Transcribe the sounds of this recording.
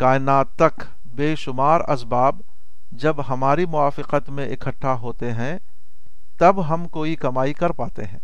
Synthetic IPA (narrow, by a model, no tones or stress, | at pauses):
kaːɪnaːt̪ːɐk | beːʃʊmaːɾɐ̰sbaːb | d͡ʒɐbɦɐmaːɾimʊaːfɪqət̪mẽʔɪkʰəʈʰːaɦoːt̪eɦɛ̃ | t̪ɐbɦɐmkoːikɐmaːikɐɾpaːt̪ḛɦɛ̃ː